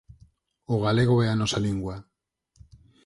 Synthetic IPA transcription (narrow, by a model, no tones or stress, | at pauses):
oɣ̞aleɣ̞oɛanɔsaliŋɡwa